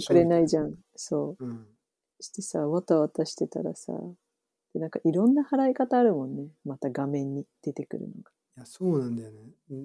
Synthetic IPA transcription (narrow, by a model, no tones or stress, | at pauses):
kɯ̟ɾe̞naiʑãŋ̃ | sõ̞ː | ɕi̥t̪e̞saːβat̪aβat̪aɕi̥t̪e̞t̪a̰ɾa̰sa̰ː | d̪̥e̞nãŋkaʔiɾõ̞nːahaɾaikat̪aːɾɯ̟mõ̞nːemat̪aɡamẽ̞ɲ̟ːid̪̥e̞t̪e̞kɯ̟ɾɯ̟̰no̞̰ɡḁ | jasoːnãnd̪ajone